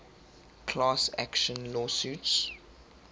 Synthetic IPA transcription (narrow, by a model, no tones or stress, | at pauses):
kʰlaːsæ̰kʃə̃nlɔːsuːts